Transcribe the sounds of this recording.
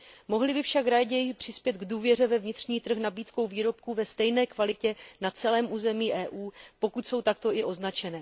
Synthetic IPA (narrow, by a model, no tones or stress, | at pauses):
mo̞ɦlɪbɪfʃakɾaːɟɛjɪpr̝̥ɪspjɛt̪ɡduːvjɛr̝ɛvɛvɲɪt̪r̝ɲiːt̪r̩xnabiːt̪kowviːɾo̞p̚kuvɛst̪ɛjnɛːkvalɪcɛnat͡sɛlɛːmʔuːzɛmiːʔɛːʔuːpo̞kut̪so̞wt̪ak̚t̪o̞ʔɪʔo̞znat͡ʃɛnɛː